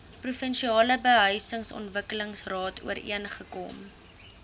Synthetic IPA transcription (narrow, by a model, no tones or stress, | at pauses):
prufənʃiɑːləbəɦœɥsəŋsɔ̰ntvəkələŋsrɑːtṵəɾḭənχəkɔ̰m